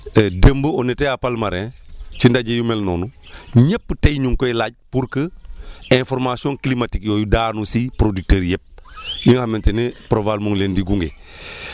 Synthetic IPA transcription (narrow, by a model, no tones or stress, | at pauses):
dəmbəoneteapalmaɾɛ̃t͡ʃindaɟejumelnoːnuɲepːətejɲuŋkoilaːɟ̚puɾkəɛ̃foɾmasiõnklimatikjoːjudanusipɾodik̚teːɾjɛp̚jiŋhamentenepɾovalmuŋleːndiɡuŋɡe